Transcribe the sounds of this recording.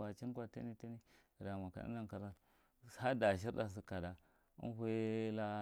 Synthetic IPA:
a˨t͡ʃi˦n˦kʷa˦ti˦ni˦ti˦ni˦˨ | ɾa˨ma˨ka̰˨ḭ˦n˦a˦ŋka˨ɾa˦ | a˦da˨ʃ̬i˦ɾda˨s̬i˦ka˨da˨ | ə̰˦n˦xʷi˦la˦

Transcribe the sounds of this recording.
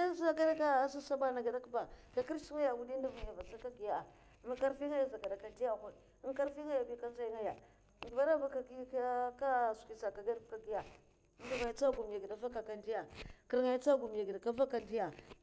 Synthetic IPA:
a˦za˦ka˦da˦ka˦sa˦sa˦ba˦na˨ɡa˨da˦kba˨ka˨ki˦si˦ŋa˦ja˨ɡu˦di˦du˦va˨ja˨va˨t͡sa˦ka˦ɡi˨ja˦a˨ | ma˦ka˦ɾfi˦ŋa˦ja˨za˨ka˨da˨ka˨n˦ti˦ja˦˨ku˦˨dka˦ɾfi˦ŋa˦ja˨bi˦ka˦n˦za˦i˦ŋa˦ja˨ | ɡva˦ɾa˦ba˦ka˨ki˦ka˦su̥˨ki˨sa˨ka˨ɡa˦b̚ka˨ki˦ja˨˦ | n˦du˦va˨jt͡sa˦ɡu˨m˨ja˨ɡi˨da˨va˦ka˨ka˨nti˦ja˨ki˨ɾŋa˨jt͡sa˦ɡu˨m˨a˨ɡi˨da˨ka˦fa˦ka˨nti˦ja˨

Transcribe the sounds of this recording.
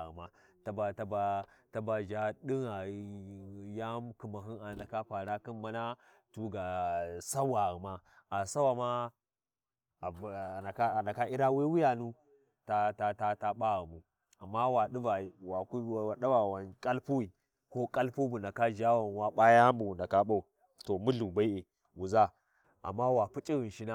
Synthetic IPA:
ɣma˨ | ta˨ba˨ta˨ba˨ta˨ba˨d͡ʒa˨ɗi˦ŋa˨ | ja˦m˦ki˨ma˨ɦi˦na˨nda˨ka˦pa˨ɾa˦ki˦nma˦na˦ | tu˦ɡa˨sa˦wa˨ɣu˨ma˦a˨sa˦wa˨ma˦˨ | na˨ka˦a˨nda˨ka˦ʔi˦ɾa˦we˦wi˦ja˨nu˦ | ta˦ta˦ta˦ta˦ɓa˦ɣu˨mu˨ | a˨mːa˦wa˨ɗi˦va˨wa˨ku˦˨a˨ɗa˦va˨wa˨nkʼa˦lpu˦wi˨ | ko˦kʼa˦lpu˦bu˨nda˨ka˦d͡ʒa˦wa˨nwa˨ɓa˦ja˦a˦mbu˨wu˨nda˨ka˦ɓa˦u˨ | to˨mu˦ɮu˨ba˦i˦e˨ | wu˨za˦ | a̰˨mːa˦wa˨pu˦t͡ʃʼi˦ɣɨ˨n˨ʃi˦na˦

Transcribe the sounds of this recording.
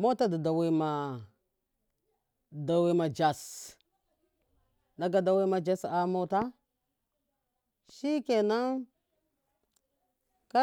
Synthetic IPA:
mo˦ta˦da˨da˨wi˨ma˨ | da˨wi˦ma˨d͡ʒa˨s | na˨ɡa˨da˨wi˦ma˦˨d͡ʒa˦sa˨mo˦ta˦ | ʃi˦ke˨na˦n | ka˦

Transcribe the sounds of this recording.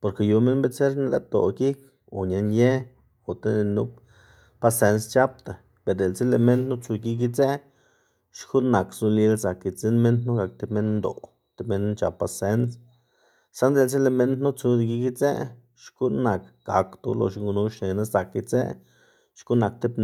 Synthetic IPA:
po˨ɾke˨ju˧me˦nbe˦t͡se˦ɾni˧lḛ˧t̪o̰˨ɡi˦k | o˨ɲʲa˧nje˦ | o˨t̪e˦ne˧nṵ˦ | pa˧se˧nst͡ʃa˦p̚t̪a˨ | pe˨ɾd̪e˨lt͡se˦le˧me˦nt̪nu˦t͡su˧ɡi˧ki˦t͡se˦ | ʃku˦nːa˨ksu˧li˧lsa˨ki˧t͡se˦nme˦nt̪nu˦ɡa˨k̚t̪e˧me˦nnd̪o̰˨ | t̪e˧me˦nt͡ʃa̰˨pːa˧se˧ns | sa˦nd̪e˧˨t͡se˦le˧me˦nt̪nu˦t͡su˧d̪e˧ɡi˦ki˦t͡sḛ˦ | ʃɡu˦na˨kɡ̥a˨kt̪o̰˧lo̰˧ʃɡu˧nu˧˦ʃne˨na˦sa˨ki˧t͡sḛ˦ | ʃɡu˦na˨k̚t̪e˦p

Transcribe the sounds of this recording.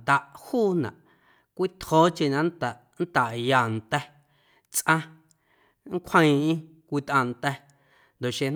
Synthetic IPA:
d̪a˨ʔhuː˦˨nã̰˨ʔ | kʷi˦t̪hɔː˨˦t͡ʃẽ˧nã˧ʔnt̪a˨ʔ | n̩˦t̪a˨ʔja˨nt̪ɛ˧ | t͡sʔã˦˧ | ŋ̩˦kʷʰə̃˧ĩ˧ĩ˦ | kʷi˧t̪ʔã˧˨nt̪ɛ˧ | nd̪o˨ʔʃẽ˧n

